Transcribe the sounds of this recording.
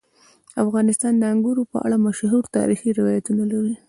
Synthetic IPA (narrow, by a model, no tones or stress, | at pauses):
afɣɑnɪst̪ɑnd̪əaŋɡuɾopə̰ʔa̰ɽamaʃɦuɾt̪ɑ̰ɾixiɾɪwɑjat̪unalaɾi